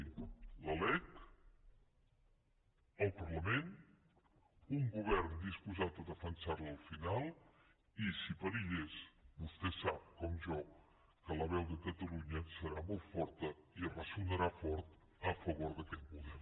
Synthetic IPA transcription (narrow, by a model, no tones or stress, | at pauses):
ləlɛk | əlˠpəɾləmen | uŋɡuβ̞ɛɾnd̪ispuzat̪əðəfənsarləlˠfinalˠ | isipəɾiʎesbust̪ɛsap̚kɔmʒɔ | kələβ̞ɛwðəkət̪əluɲəsəɾamɔlˠt̪fɔɾt̪əiərəsunəɾafɔɾt̪ | əfəβ̞oɾðəkɛt̪̚puðɛ